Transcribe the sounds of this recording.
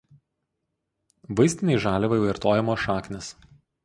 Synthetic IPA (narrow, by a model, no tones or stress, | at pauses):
ʋɐɪsʲt̪ʲɪnʲɛɪʒɑːlʲɛʋɐɪɐɾt̪oːjɛmoːʃɑːknʲɪs